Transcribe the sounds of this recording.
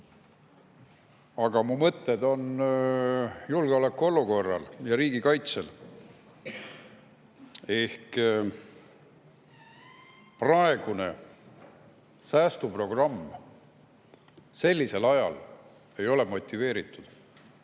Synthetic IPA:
ɑɡ̥ɑmumɤt̪ːe̞d̪o̞n | julɡ̥eolekːuo̞luko̞rːɑ̰ljɑɾiːɡikɑjt̪se̞l | e̞hk | prɑe̞ɡ̥une̞̰ | sæːst̪upro̞ɡ̥rɑmː | se̞lʲːise̞lɑjɑ̰l | e̞jo̞lemo̞t̪ʲːive̞ːɾit̪ˑːud̪̥

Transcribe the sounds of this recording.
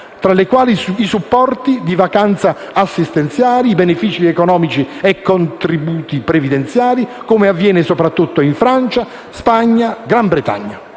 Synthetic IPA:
t̪ɾalekwaːlisːsupːɔrt̪id̪ivakant̪saː | sːist̪ɛnt̪sjaːliːbenefit͡ʃiɛkonɔːmit͡ʃiɛkːont̪ɾibuːt̪ipɾevid̪ent̪sjaːlikomeavːjɛːnɪsopɾat̪ːut̪ːoiɱfɾant͡ʃa | spaɲːaɡɾambɾet̪a̰ɲːa

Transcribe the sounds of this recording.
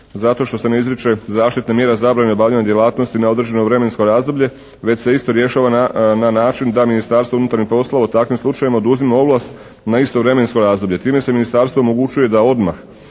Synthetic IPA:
zat̪o̞ʃt̪o̞se̞ne̞izɾit͡ʃe̞zaːʃt̪it̪nemje̞ːɾezabɾaneobaːʋʎaɲad̪je̞lˠaːt̪no̞st̪inao̞d̪ɾe̞d͡ʑe̞no̞ʋɾe̞me̞nsko̞ɾaːzd̪o̞blʎe̞ | ʋe̞t͡ɕse̞ist̪o̞ɾje̞ʃaːʋananaːt͡ʃind̪aminist̪aːɾst̪ʋounut̪aɾnixpo̞slˠaʋaut̪akʋimslˠut͡ʃajimaod̪uzimao̞blˠast̪ | naist̪o̞ʋɾe̞me̞nsko̞ɾaːzd̪o̞bʎe̞t̪iːme̞se̞minist̪aɾst̪ʋo̞omo̞ɡut͡ʃuje̞d̪ao̞d̪ma̰x

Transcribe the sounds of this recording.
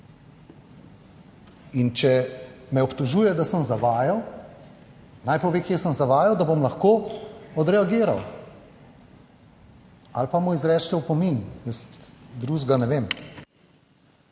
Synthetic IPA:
int͡ʃɛmɛɔpt̪ɔʒuːjɛd̪asəmzaʋaːjaw | najpɔʋeːkjeːsəmzaʋaːjawd̪abomlɐxkoɔd̪ɾɛaɡeːɾa̰w | a̰lpamuizɾɛːt͡ʃt̪ɛwpɔminjəst̪d̪ɾuzɡanɛʋeːm

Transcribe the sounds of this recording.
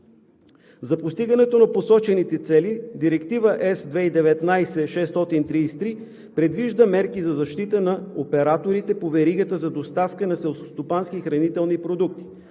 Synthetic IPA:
zɐpost̪iɡənɛt̪onɐposɔt͡ʃɛnit̪ɛt̪sɛlid̪iɾɛkt̪ivəʔɛsd̪vɛid̪ɛvɛt̪najsɛʃɛst̪ɔt̪int̪ɾiist̪ɾi | pɾɛd̪viʒd̪əmɛɾkizɐzɐʃt̪it̪ənɐopɛɾat̪oɾit̪ɛpovɛɾiɡət̪əzɐd̪ost̪afkənɐsɛlˠsst̪opansk̟ixɾɐnit̪ɛlˠnipɾod̪uk̚t̪i̥

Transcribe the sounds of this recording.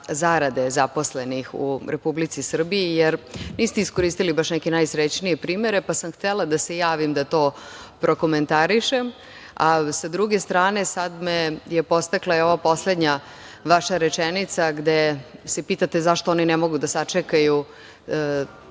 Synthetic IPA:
zaɾad̪e̞zapo̞sle̞nixṵɾepublit̪sisr̩biijeɾniːst̪eisko̞ɾiːst̪ilibaʃnɛkenajsɾet͡ɕnie̞pɾiːme̞ɾe̞pasamxt̪elad̪ase̞jaːʋimd̪at̪o̞ːpɾʔo̞ko̞me̞nt̪aɾiʃem | asad̪ɾuɡe̞st̪ɾaːne̞sad̪mejepo̞st̪aklajeo̞ʋapo̞sled̪ɲa | ʋaʃaɾet͡ʃenit̪saɡd̪ese̞piːt̪at̪e̞zaʃt̪ooninemo̞ɡud̪asat͡ʂekaju

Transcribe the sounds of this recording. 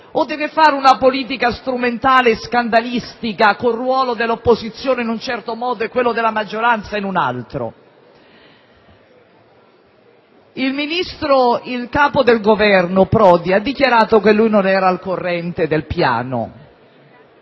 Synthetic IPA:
od̪ːɛːvefaːɾeunapoliːt̪̬ikast̪ɾument̪aːleskand̪alist̪ikakorːwɔːlod̪elːopːozit̪sːjoːneinunt͡ʃɛrt̪omɔːd̪oekːwelːod̪elːamad͡ʒːoɾant̪sainuna̰lt̪ɾo̰ | ilminist̪ɾoilkaːpod̪elɡovɛrnopɾɔːd̪iad̪ːikjaɾaːt̪okelːujnonɛːɾalkorːɛnt̪ed̪elpja̰ːno̰

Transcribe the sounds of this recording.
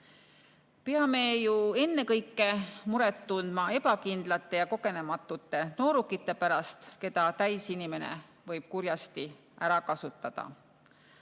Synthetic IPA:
peɑmejue̞nːe̞kɤjkːˑe̞muɾet̪ːund̪̥mɑe̞pɑkind̪̥lɑt̪ˑːe̞jɑko̞ke̞ne̞mɑt̪ːˑut̪ːˑe̞no̞ːɾukːˑit̪ːˑe̞pæɾɑst̪ke̞t̪ɑt̪æjsinime̞nḛ | vɤjb̥̚kuɾjɑst̪i | ʔæɾɑkɑsut̪ˑːɑd̪̥ɑ̰

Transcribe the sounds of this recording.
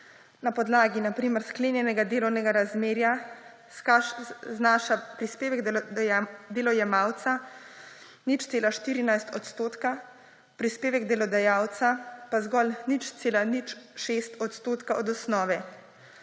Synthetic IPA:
napɔd̪laːɡinapɾiːməɾskleːnjɛnɛɡad̪eːlɔwnɛɡaɾazmeːɾja | skaznaʃapɾispeːʋɛɡd̪ | d̪elɔjɛmaːwt̪sa | nit͡ʃt̪seːlaʃt̪iːɾinajst̪ɔt̪st̪oːt̪ka | pɾispeːʋɛɡd̪ɛlɔd̪ajaːwt̪sapazɡɔlnit͡ʃt̪seːlanit͡ʃʃeːst̪ɔt̪st̪oːt̪kaʔɔd̪ɔsnɔːʋɛ

